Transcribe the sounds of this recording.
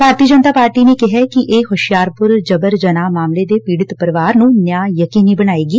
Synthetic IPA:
bʱaːɾt̪iːəd͡ʒənt̪aːpaːɾʈiːneːkɪɦɛkɪʔeːhʊʃɪjaːɾpʊɾd͡ʒəbəɾd͡ʒənaːmaːmleːd̪eːpiːɽɪt̪pəɾɪʋaːɾnũːnjaːjəkiːniːbəɽ̃aːeːɡiː

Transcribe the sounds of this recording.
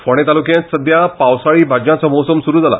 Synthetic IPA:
foɽ̃et̪alukijãt̪səd̪ʱjapawsaɭiːbʱad͡ʑjãt͡sɔmɔwsəmsuɾuːd͡zʱala̰

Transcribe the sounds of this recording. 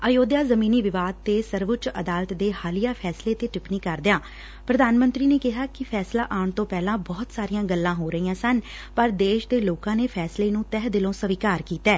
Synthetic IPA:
əjoːd̪jaːzəmiːniːʋɪʋaːd̪̚t̪eːsəɾʋʊt͡ʃəd̪aːlət̪d̪eːhaːlijaːpʰɛːsleːt̪eːʈɪpniːkəɾd̪ɪjãː | pɾəd̪aːnmə̃nt̪ɾiːneːkɪɦaːkɪpʰɛːslaːʔaːɳt̪õːpɛːlãːbɔːt̪saːɾijãːɡəlːãːɦoːɾəiːãːsən | pəɾd̪eːʃd̪eːloːkãːneːpʰɛːsleːnũːt̪ɛɦd̪ɪlõːsəʋiːkaːɾkiːt̪ɛː

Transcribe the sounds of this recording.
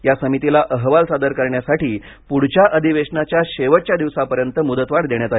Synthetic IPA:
jasəmit̪ilaʔəɦʋalsad̪əɾkəɾɳjasaʈiː | puɽ̤t͡ɕaʔəd̪ʱiʋeʂɳat͡ɕjaɕeʋəʈ̚t͡ɕjad̪iʋsapəɾjənt̪əmud̪ət̪ʋaɽd̪eɳjat̪a

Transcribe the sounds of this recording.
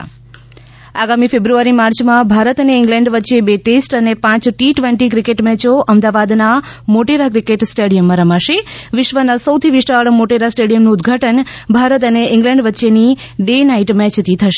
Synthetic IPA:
aɡamifebɾuaɾimaɾt͡ʃmãbʱaɾət̪əneɪŋɡlɛ̃ɳɖʋətːʃebeʈesʈənepãt͡ʃʈiʈʋẽɳʈikɾikeʈmɛt͡ʃoʔəmd̪aʋad̪na | moʈeɾakɾikeʈsʈeɽijəmːãɾəmaʃeʋɪʃʋənasəwt̪ʰiʋiʃaɭmoʈeɾasʈeɽijəmnuʊd̪ɡʱaʈənbʱaɾət̪̬əneɪ̃ŋɡlɛ̃ɳɖʋətːʃeni | ɖenaiʈmɛt͡ʃt̪ʰit̪ʰəʃe

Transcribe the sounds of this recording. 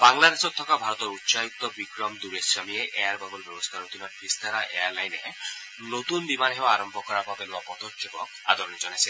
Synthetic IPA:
baŋlad̪esɔt̪ʰːɔkabʱaɾɔt̪ɔɾutːsajuk̚t̪ɔbikɾɔmd̪uɾeswamieʔeaɾbabɔlbjɔbɔst̪ʰaɾot̪inɔɾpist̪ʰaɾaʔeaɾlajne | not̪unbimanɦewaaɾɔmbʱɔkɔɾapabeluapɔd̪ɔtd͡ʒɔkɔk̚ | a̰d̪ʱɔɾɔnid͡ʒɔnase

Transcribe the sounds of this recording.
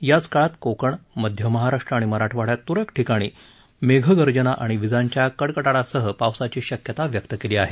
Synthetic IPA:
jat͡skaɭat̪kokəɳməd̪ʱjəməɦaɾaʂʈɾəaɽ̃iməɾaʈʰʋaɽjat̪uɾekʈʰikaɽ̃iː | meɡʱəɡəɾd͡ʑənaʔaɽ̃iʋid͡zaɲt͡ɕjakəɽkəʈaɽasəɦəpaʋsat͡ɕiːɕəkjət̪aʋjək̚t̪əkeliːaɦe

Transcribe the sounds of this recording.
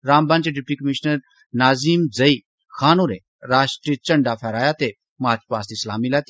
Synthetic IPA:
ɾaːmbãːnt͡ʃeɖɪp̚ʈiːkəmiʃnəɾ | naːziːmd͡zɐi | xaːnoːɾẽː | ɾaːʃʈɾit͡ʃɐ̃ɳɖapʰɛːɾaːjat̪e | maːt͡ʃpaːst̪islaːmilɛːt̪

